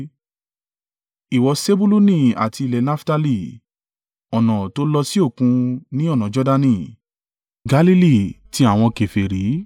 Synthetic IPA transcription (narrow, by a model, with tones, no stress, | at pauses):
i˨wɔ˧se˦bu˦lu˦nĩ˦˨a̰˨ti˧i˧lɛ˨˦na˦fta˧li˧˨ | ɔ˨nɔ̃˨to˦lɔ˧si˦o˦˨kũ˧nĩ˦ɔ˦˨nã˨˦d͡ʒɔ˦da˧nĩ˧˨ | ɡa˨˦li˦li˦˨ti˦a˦˨w̃ɔ̃˧ke˨fe˨ɾi˨˦